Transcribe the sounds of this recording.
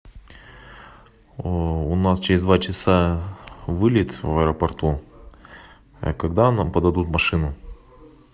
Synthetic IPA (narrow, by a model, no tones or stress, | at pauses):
ʊnast͡ɕɪɾʲɪzd̪vat͡ɕɪsa | vɨlʲɪt̪vɐɾəpɐrt̪u | ɐ̰kɐɡd̪anampəd̪ɐd̪ut̪mɐʂɨnʊ